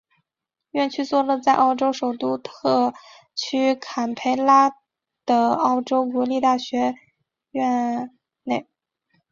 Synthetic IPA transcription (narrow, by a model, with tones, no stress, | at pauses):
ɥɛ˥˧nt͡ɕʰy˥˩˧t͡swɔ˥˩lə˧t͡sa˥˧ɪʔɑ˥˩ʊʈ͡ʂo˥ʊʂo˨˩ʊt̪u˥˧t̪ʰɤ˥˩ | t͡ɕʰy˥kʰa˨˩npʰe˧˥ɪla˥ | d̪̥ə˩ɑ˥˩ʊʈ͡ʂo˥ʊk̬wɔ˧˥li˥˧t̪a˥˩ɕɥɛ˧˥ | ɥɛ˥˧ | ne˥˩ɪ